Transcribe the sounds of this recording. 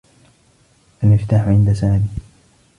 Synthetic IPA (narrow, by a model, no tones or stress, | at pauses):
ʔalmɪft̪aːħʊʕɪnd̪asaːmiː